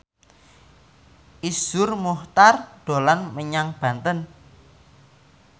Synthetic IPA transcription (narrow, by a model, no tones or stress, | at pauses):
ʔisʊrmuht̪ard̪̥o̤lanməɲaŋb̥ä̤nt̪ən